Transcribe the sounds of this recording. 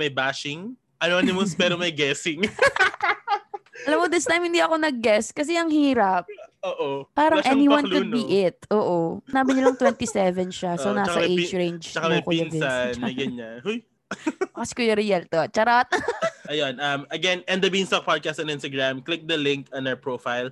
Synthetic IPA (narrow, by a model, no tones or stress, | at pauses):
mɐjbaʃɪŋ | ʔɐnoɐnɪmʊspɛɾomɐjɡɛsɪŋ | ɐlɐmːod̪ɪst̪ajmhɪnd̪iʔɐko̞nɐɡ̚ːɛskɐs̬ɛʔɐŋhiːɾɐp̚oːʔoːaːɾɐŋʔɛniwɐ̃nlkʊd̪biʔɪt̪̚ʔoːʔosɪnaːbɪɲʊlɐŋt̪wɛnt̪isɛvɛnʃasonaːsɐɐʔeɹẽjnd͡ʒɐkɐɐkoɐnɪanɐɡɐnɲahuj | ɐkɐskojoɾɪjɛlt̪ot͡ʃɐɾot̪̚ʔɐjonɐmɐɡɛnɛ̃nd̪ɐbinst̪ok̚pad̪̚kast̪ɛnɪ̃nst̪ɐɡɹamklɪk̚d̪ɐlɪ̃ŋkɐnɐpɹofajl